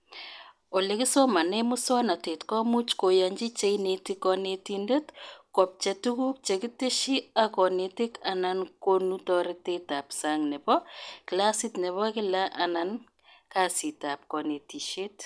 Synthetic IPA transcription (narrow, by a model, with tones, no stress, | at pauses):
o˨le˨kɪ˦so˦ma˨nɛ˦mʊ˦sɔ˦na˨te˨tkɔ˦mu˦t͡ʃko˨ja˨ɲd͡ʒi˦t͡ʃe˦inetikɔnetində˦tkɔ˨p̚t͡ʃɛ˨tuku˦k̚t͡ʃe˨ki˦te˦ʃi˦a˦kɔ˨ne˨ti˦ka˨na˨nko˦nutɔ˦ɾe˦te˦ta˨psaŋnɛ˨bɔ˦kɪ˨la˦sɪ˦tnɛ˨βɔ˦kɪ˦la˦ʔa˨na˨n | ka˦si˨ta˨p̚kɔ˨ne˨ti˨ʃe˦t